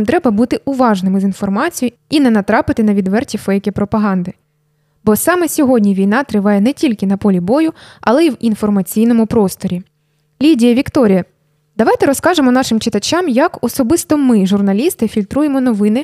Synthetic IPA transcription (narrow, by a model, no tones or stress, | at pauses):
mt̪ɾɛbɐbut̪ɪʔʊʋɑʒnɪmɪzinfɔrmɑt͡sʲijʊ | inɛnɐt̪ɾɑpɪt̪ɪnɐʋʲid̪ʋɛrtʲifɛjkʲɛpɾɔpɐɦɑnd̪ɪ | bɔsɑmɛsʲɔɦɔdʲnʲiʋʲijnɑt̪ɾɪʋɑjɛnɛtʲilʲkɪnɐpɔlʲibɔjʊɐlˠɛiwinfɔrmɐt͡sʲijnɔmʊpɾɔst̪ɔɾʲi | lʲidʲijɐʋʲikt̪ɔɾʲijɐ | d̪̥ɐʋɑjt̪ɛɾɔskɑʒemɔnɑʃɪmt͡ʃɪt̪ɐt͡ʃɑmjɐkɔsɔbɪst̪ɔmɪʒʊrnɐlʲist̪ɪfʲilʲt̪ɾujemɔnɔʋɪnɪ